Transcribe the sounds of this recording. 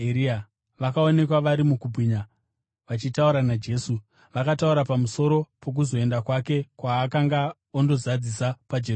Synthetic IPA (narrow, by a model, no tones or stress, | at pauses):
eɾia | ʋakao̞ne̞kwaʋaɾimukubʱwiɲa | ʋat͡ʃitauɾanad͡ʒe̞ːsu | ʋakatauɾapamuso̞ɾo̞po̞k̬uzo̞e̞ndakwake̞kwaːkaŋɡa | ondo̞zad͡zisapad͡ʒer